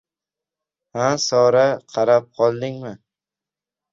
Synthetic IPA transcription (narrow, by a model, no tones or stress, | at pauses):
hasɒɾaqʰɑɾap̚qʰɒlˠd̪ɪŋmɪ